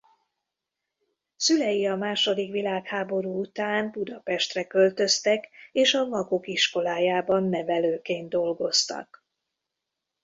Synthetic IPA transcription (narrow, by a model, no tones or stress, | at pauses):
sylɛjiɒmaːʃo̞d̪ikʋilaːkhaːbo̞ɾuːut̪aːnbud̪ɒpɛʃt̪rɛkø̞lt̪ø̞st̪ɛkeːʃɒvɒɡo̞kiʃko̞laːjaːbɒnːɛvɛløːkeːnd̪̚d̪o̞lɡo̞st̪ɒ̰k